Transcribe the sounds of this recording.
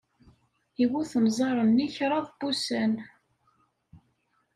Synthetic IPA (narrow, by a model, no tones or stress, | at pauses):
iwuθəmzˤɑɾˤənːiçɾˤɑðˤbusæn